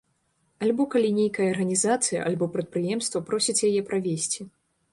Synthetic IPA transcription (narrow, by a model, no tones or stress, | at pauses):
alʲbɔkalʲinʲejkɐjɐːrɣɐnʲizat̪sɨjɐ̰ʔa̰lʲbɔpɾɐt̪̚pɾɨjɛmst̪vɐpɾɔsʲit͡sʲjajɛpɾʔavʲesʲt͡sʲi